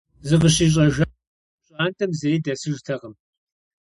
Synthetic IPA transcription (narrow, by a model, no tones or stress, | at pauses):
zɨq̬əɕiːɕ̬ʼɐʒʷɐ | ɕʼaːntʰɐmzejdɐsɨʒtʰɐʁɐm